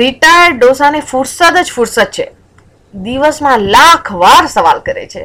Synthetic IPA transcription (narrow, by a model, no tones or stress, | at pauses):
ɾiʈajəɾɖɖosanefuɾsəd̪əd͡ʒfuɾsət̪̚t͡ʃʰe | d̪iʋəsmãlakʰʋaɾsəʋalkəɾḛt͡ʃʰḛ